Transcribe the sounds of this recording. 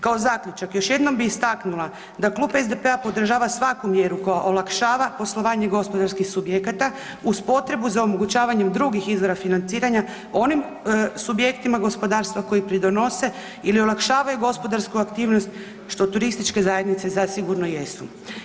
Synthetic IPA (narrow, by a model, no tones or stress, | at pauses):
kao̞zakʎʲut͡ʃakjo̞ʃje̞d̪no̞mbiːst̪aknula | d̪aklˠuːpezd̪epe̞apo̞d̪r̩ʒaːʋasʋakumje̞ɾuko̞jaʔolˠakʃaːʋapo̞slˠo̞ʋaːɲe̞ɡo̞spo̞d̪aɾskixsubjekat̪a | uspo̞t̪ɾe̞buzaomo̞ɡut͡ɕaːʋaɲemd̪ɾuɡixizʋo̞ɾafinant̪siːɾaɲa | o̞nim | subje̞kt̪imaɡo̞spo̞d̪aːɾst̪vʋako̞jipɾid̪o̞no̞se̞ | ilio̞lakʃaːʋajuɡo̞spo̞d̪aɾskuakt̪iːʋnost̪ | ʃt̪o̞t̪uɾist̪it͡ʃke̞zaje̞d̪nit̪se̞zasiɡuɾno̞je̞su